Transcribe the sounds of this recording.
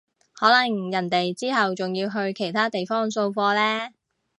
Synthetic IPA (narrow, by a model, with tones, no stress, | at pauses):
hɔː˨˥lɐ˨˩ŋjɐ˨˩nt̪e˨jt͡siː˥hɐ˨wt͡sʊ˨ŋjiː˧wɦɵ˧ɥkʰe˨˩jt̪ʰaː˥t̪e˨jfɔː˥ŋso˧wfɔː˧lɛː˥